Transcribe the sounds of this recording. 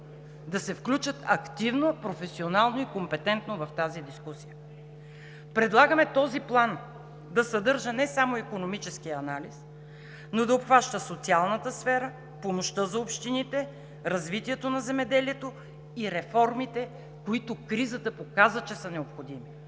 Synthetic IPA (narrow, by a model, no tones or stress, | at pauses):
d̪ɐsɛfklʲut͡ʃət̪ɐkt̪ivnopɾofɛsionalˠnoikompɛt̪ɛnt̪novɐft̪azid̪iskusijə | pɾɛd̪lˠaɡəmɛt̪ɔziplˠan | d̪ɐsɐd̪ɤɾʒənɛsamoikonomit͡ʃɛskijəɐnalis | nod̪ɐopxvaʃt̪əsot̪sialˠnət̪əsfɛɾə | pomoʃt̪əzɐopʃt̪init̪ɛ | ɾɐzvit̪iɛt̪onɐzɛmɛd̪ɛliɛt̪o | iɾɛfɔɾmit̪ɛ | koit̪okɾizət̪əpokazvət͡ʃɛsənɛopxod̪imi